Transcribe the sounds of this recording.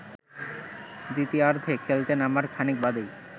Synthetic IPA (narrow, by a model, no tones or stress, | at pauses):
d̪it̪iaɾd̪ʱekʰelt̪enamaɾkʰanik̚bad̪ej